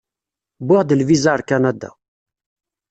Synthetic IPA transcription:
bʊʁd̪əlvizaɾˤkanad̪a̰

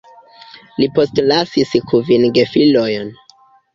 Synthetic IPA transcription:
lipo̞stlasiskʰuvinɡefilojon

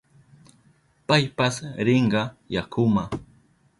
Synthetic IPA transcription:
pajpasɾɪɴɢɑjakʊma

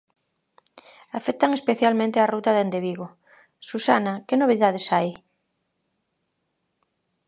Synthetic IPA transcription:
afɛkt̪aŋespeθjalmẽnt̪earut̪ɐðend̪eβiɣo | susa̰nɐkenoβ̞iðaðesaj

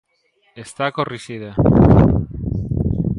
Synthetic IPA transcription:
est̪akorisiða

